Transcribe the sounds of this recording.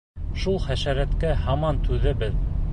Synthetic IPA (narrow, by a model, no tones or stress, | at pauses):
ʃulˠχæʃæɾæt̪kæhɑmɑnt̪ʉðɘbɘð